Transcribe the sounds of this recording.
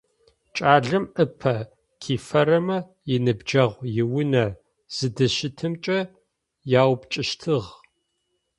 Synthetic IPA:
t͡ʃʼaːɮɨmʔɨpʰɐ | kʰiːfɐɾɐmɐ | jɪnɨbd͡ʒɐʁʷjɪwʊnɐ | z̥ɨdɨʃɪtʰɨmt͡ʃʼɐ | jaːwpt͡ʃʼɪʃtʰɨʁ

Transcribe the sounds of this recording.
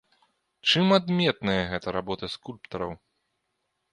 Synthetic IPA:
t͡ʂɨmad̪mʲɛt̪nɐjɐɣɛt̪ɐɾabɔt̪ɐskulʲpt̪ɐɾɐw

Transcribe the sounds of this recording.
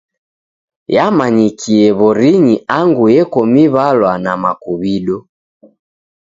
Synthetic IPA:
jamaɲikʰiɛβɔɾiɲiaŋɡujɛkɔmiβalwanamakuβiɗɔ

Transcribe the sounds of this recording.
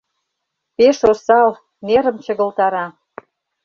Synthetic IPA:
peʃosɑl | neɾə̆mt͡ɕə̆ɣə̆lt̪ɑɾɑ

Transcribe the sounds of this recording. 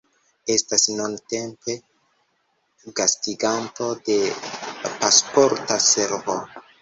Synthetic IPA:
e̞stasnunte̞mpe̞ | ɡastiɡanto̞de̞ | paspo̞ɾtase̞ɾvo

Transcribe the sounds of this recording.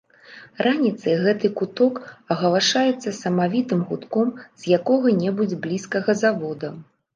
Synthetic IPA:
rʔanʲit̪sɐjɣɛt̪ɨkut̪ɔkɐɣɐlaʂajɛt̪sːɐsɐmavʲit̪ɨmɣut̪kɔmz̥jakɔɣɐnʲɛbud͡zʲblʲiskɐɣɐzavɔd̪ɐ

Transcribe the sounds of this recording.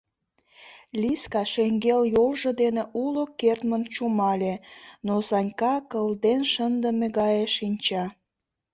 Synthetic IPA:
lʲiskɑʃeŋɡeljolʒə̆d̪eneʔulokert̪mənt͡ɕumɑlʲenosɑnʲkɑkəld̪enʃənd̪əmeɣɑjeʃinʲt͡ɕɑ

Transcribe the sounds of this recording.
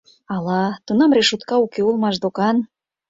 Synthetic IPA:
ɑlɑt̪unɑmreʃut̪kɑukeulmɑʃd̪okɑn

